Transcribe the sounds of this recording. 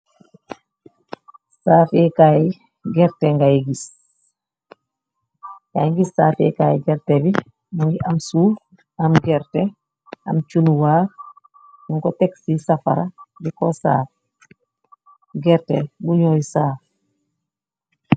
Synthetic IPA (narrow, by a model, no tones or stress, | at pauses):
saːfɛkaji | ɡɛɾtɛŋɡajiɡis | ja̰ŋɡisːaːfɛ̰kaːjiɡɛɾtɛbi | maŋɡiʔamsuː | amɡɛɾtɛ | a̰mt͡ʃunuwaːɾ | nuŋkɔteksisafa̰ɾabikɔsa̰ːf | ɡɛɾtɛbuɲoːjsaːf